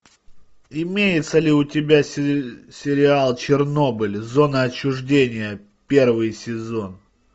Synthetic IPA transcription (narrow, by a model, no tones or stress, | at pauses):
ɪmʲejɪt̪səlʲɪʊtʲɪbʲa | sʲɪɾʲɪalˠt͡ɕɪrno̞bɨlʲzo̞nəɐt͡ɕːʊʐdʲenʲɪjə | pʲe̞rvɨjsʲɪzo̞n